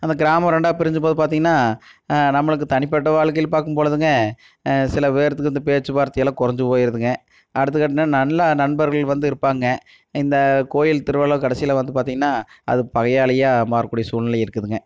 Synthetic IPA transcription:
ɪnd̪ɐɡɪɾaːmɐ̃ɾɛɳɖaːpɪɾɪɲd͡ʒɯp̬oːðɯp̬aːɾt̪iːŋɡɐnːaːnɐmːɐɭɯk̬ːɯt̪ɐɳɪpːɐʈːɐʋaːɭkɐjɪlpaːɾkɯmpoːɭɐðɯŋɡɐ | sɪlɐʋeːɾɐt̪ːɯkːɯɐnd̪ɐpeːt͡ʃːɯbaːɾt̪ːɪjɐlãːkʊɾɐɲd͡ʒɯpoːjɪɾɐðɯŋɡɐ | ɐɽɯt̪ːɯkaːʈ̬ːɪnːaːnɐɳːanɐɳbɐɾɣɐɭʋɐnd̪ɯɪɾɯpːaːŋɡɐ | ɪnd̪ɐkoːjɪlt̪ɪɾɯʋaːɭɐkɐɽɐsɪjɐlɐʋɐnd̪ɯpaːɾt̪iːŋɡɐnːaːɐ̰ðɯpɐɣɐjaːɭɐjaːmaːɾɐkːuːɽɪjɐsuːlnɐlɐɪɾɯkːɐðɯŋɡɐ

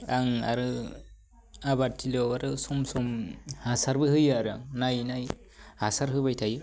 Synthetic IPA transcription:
aŋa̰ɾɯ | abatʰːilɔaɾɯsɔmsɔmhasaɾbɯhɯjaɾɯaŋnajnaj | hasaɾɦɯbajtʰajɯ

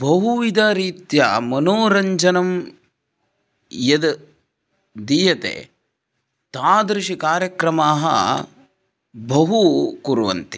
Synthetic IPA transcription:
bɐɦuʋid̪ʱaːɾiːt̪ja̰mɐnoːɾɐɲd͡ʒɐnɐm | jɐd̪ | d̪iːjɐt̪ḛː | t̪aːd̪ɾiʂikaːɾjɐkɾɐmaːɦɐ̰ | bʱɐɦukuɾuʋɐ̰nt̪i̥

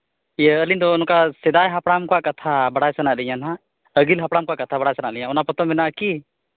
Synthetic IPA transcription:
iəːlind̪ɔːnɔkasɛd̪ajɦapɽamkɔaʔkat̪ʰabaɽajsənaʔlɛɲanɦa | əɡilɦapɽamkɔaʔkat̪ʰabaɽajsənaʔlɛɲaʔɔnapɔt̪ɔmmɛnaʔaki

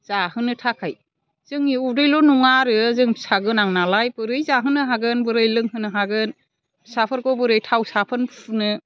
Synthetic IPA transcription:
z̥ahɯnɯtʰakʰaj | z̥ɯŋiuɾɯjlɔnuŋaɾɯzɯŋsaɡɯnaŋnalajbɯɾɯjzaɦɯnɯɦaɡɯnbɯɾɯjlɯŋɦɯnɯɦaɡɯn | sapʰɯɾkɔbɯɾɯjtʰawsapʰɯnnɯ

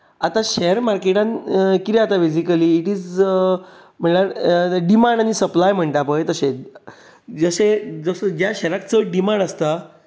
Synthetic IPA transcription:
at̪aɕɛɾmaɾkeʈãnkit̪ɛat̪abid͡ʑikəliːʈiːd͡z | m̤əɳlaɾəɖimãɳɖanisəplajm̤əɳʈ̪apə̃jt̪əɕe | d͡zəɕed͡zəsəd͡ʑjaɕɛɾakt͡səɖimaɳɖəst̪a

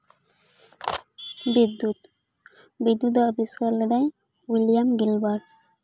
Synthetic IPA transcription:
bid̪ːut̪ | bid̪ːud̪abiskaɾled̪a | wiljamɡilbaɾ

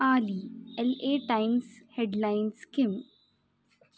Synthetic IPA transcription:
aːliɛleːʈaɪmsheɖlaɪnskɪm

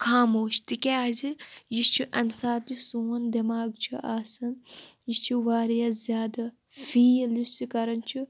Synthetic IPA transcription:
kʰaːmoːʃt̪ikʲeazijist͡ʃʰiʔɐnsaːd̪isuːnd̪ɐmaːɡt͡ʃʰiʔaːsɐnjist͡ʃʰiʋaːɾjaːzʲjaːd̪ɐ | fiːlussikɐɾɐnt͡ʃʰi

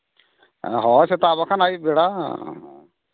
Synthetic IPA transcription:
ɦɔset̪abakʰanajbeɽa

